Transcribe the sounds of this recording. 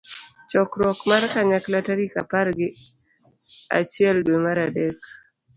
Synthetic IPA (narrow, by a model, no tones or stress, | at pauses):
t͡ʃɔkɾɔkmarkaɲaklataɾika̰paɾɡɪ | a̰t͡ʃɪɛldwemaɾadɛk